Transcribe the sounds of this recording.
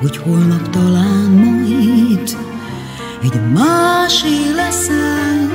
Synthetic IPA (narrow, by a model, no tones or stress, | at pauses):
hocholnɒpt̪ɒlaːnmot̪ | ɛɟmaːʃilɛsɛ